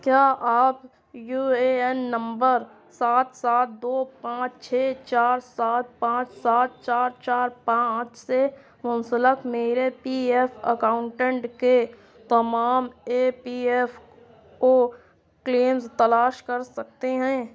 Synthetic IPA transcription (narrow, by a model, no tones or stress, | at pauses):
kjaːʔaːp | juːeɛnːə̃mbəɾ | saːt̪saːt̪̚d̪oːpãːt͡ʃt͡ʃʰeːt͡ʃaːɾsaːt̪̚pãːɾsaːt̪t͡ʃaːɾt͡ʃaːɾpãːt͡ʃse | mʊ̃nsələkmeːɾepiːɛpʰə̰kaːʊ̃ɳʈɛ̃ɳʈke | t̪ɐmaːmeːpiːɛf | ko | kleːmst̪ɐlaːʃkɐɾsɐk̚t̪eɦɛ̃ː